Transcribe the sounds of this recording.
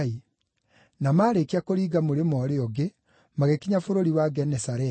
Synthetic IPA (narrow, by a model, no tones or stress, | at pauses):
i | namaːɾekiakoɾiːɡamoɾemɔːɾeɔɡe | maɣekiɲafoɾoɾiwaɡɛnɛsaɾɛ